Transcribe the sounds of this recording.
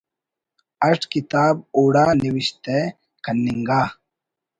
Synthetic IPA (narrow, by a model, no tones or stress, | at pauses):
ɐʈʰkit̪aːboːɽaːniwiɕt̪e | kʰɐnːiŋɡaː